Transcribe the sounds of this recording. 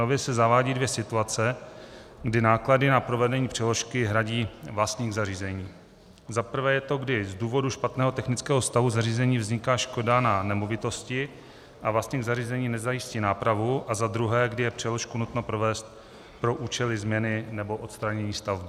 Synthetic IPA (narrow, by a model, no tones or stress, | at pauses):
ovjɛsɛzavaːɟiːdvjɛsɪt̪uat͡sɛ | ɡdɪnaːkladɪnapɾo̞vɛdɛɲiːpr̝̥ɛlo̞ʃkɪɦɾaɟiːvlast̪ɲiːɣzariːzɛɲiː | zapr̩vɛːjɛt̪o̞ɡdɪzduːvo̞duʃpat̪nɛːɦo̞t̪ɛxnɪt͡skɛːɦo̞st̪avuzariːzɛɲiːvzɲɪkaːʃko̞dananɛmovɪt̪o̞scɪ | ʔavlast̪ɲiːɣzariːzɛɲiːnɛzajɪsciːnaːpɾavuʔazad̪ɾuɦɛːɡdɪjɛpr̝̥ɛlo̞ʃkunut̪nopɾo̞vɛːst̪̚ | pɾo̞ʔuːt͡ʃɛlɪzmɲɛnɪnɛbo̞ʔo̞t̪st̪ɾaɲɛɲiːst̪avb